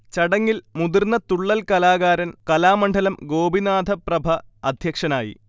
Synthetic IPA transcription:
t͡ɕɐɽɐŋːilmud̪irnɐt̪uɭːɐlkɐlaːɣaːɾɐnkɐlaːmɐɳɖʱɐlɐmɡo̞ːbinaːd̪ʱɐprɐbʱɐɐd̪ʱjɐkʂɐnaːjḭ

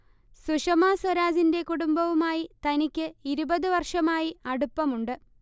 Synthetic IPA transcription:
suʂɐmaːswɐɾaːd͡ʑinde̞kuɽumbɐʋumaːjit̪ɐnikʲːɨiɾubɐðɨʋɐrʂɐmaːjiɐɽupːɐmuɳɖɨ

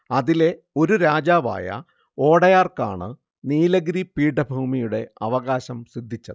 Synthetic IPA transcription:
ɐðile̞ | o̞ɾuɾaːd͡ʑaːʋa̰ːjɐ̰ | o̞ːɽɐjaːrka̰ːɳɨ̰ | niːlɐɣɾipiːɽɐbʱuːmijuɽe̞ɐʋɐɣaːɕɐmsid̪ʱːit͡ɕːɐðɨ

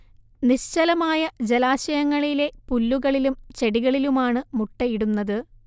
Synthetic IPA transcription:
niɕt͡ɕɐlɐmaːjɐd͡ʑelaːɕɐjɐŋːɐɭile̞pulːuɣɐɭilumt͡ɕe̞ɽiɣɐɭilumaːɳɨmuʈːɐjiɽunːɐðɨ

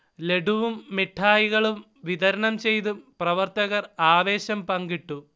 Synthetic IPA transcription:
le̞ɖuʋumːiʈʰːaːjiɣɐɭum | ʋiðɐɾɐɳɐmt͡ɕe̞jt̪umprɐʋɐrt̪ɐɣɐraːʋe̞ːɕɐmpɐŋɡiʈːu

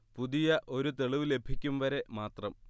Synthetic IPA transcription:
puðijɐʔo̞ɾut̪eɭiʋile̞bʱikʲːumʋɐɾe̞maːt̪rɐm

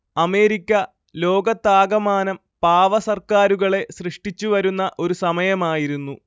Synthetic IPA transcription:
ɐme̞ːɾikʲːɐ | lo̞ːɡɐt̪ːaːɡɐmaːnɐm | paːʋɐsɐrkaːɾuɣɐɭe̞srɨʂʈit͡ɕːuʋɐɾunːɐʔo̞ɾusɐmɐjɐmaːjiɾunːu

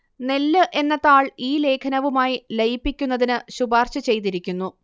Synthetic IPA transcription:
nelːɨʔe̞nːɐt̪ːaːɭiːle̞ːkʰɐnɐʋumaːjilejpːikʲːunːɐðinɨɕubaːrɕɐt͡ɕe̞jt̪̬iɾikʲːunːu

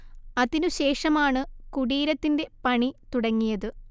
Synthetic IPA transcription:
ɐðinɨɕe̞ːʂɐmaːɳɨkuɽiːɾɐt̪ːinde̞pɐɳit̪uɽɐŋːijɐðɨ

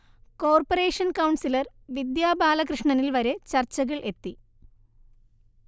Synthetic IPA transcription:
ko̞ːrpɐre̞ːʂɐnkɐwɳsilɐr | ʋid̪jaːbʱaːlɐkrɨʂɳɐnilʋɐɾe̞t͡ɕɐrt͡ɕːɐɣɐɭʔe̞t̪ːi

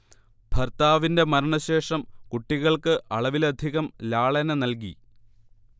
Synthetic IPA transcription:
b̥ʱɐrt̪aːʋinde̞mɐɾɐɳɐɕe̞ːʂɐmkuʈːiɣɐɭkɨʔɐɭɐʋilɐd̪ʱiɣɐmlaːɭɐnɐnɐlk̬ḭ

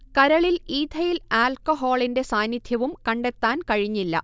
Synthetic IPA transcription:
kɐɾɐɭiliːd̪ʰʱɐjilaːlkoɦoːɭinde̞saːnjid̪ʱjɐʋumkɐɳɖe̞t̪ːaːnkɐɻiɲːilːɐ̰

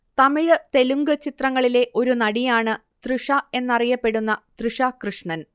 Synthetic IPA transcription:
t̪ɐmiɻɨt̪e̞luŋɡɨt͡ɕit̪rɐŋːɐɭile̞ʔo̞ɾunɐɽijaːɳɨ | t̪riʂɐe̞nːɐrijɐpːe̞ɽunːɐt̪rɨʂɐkrɨʂɳɐn

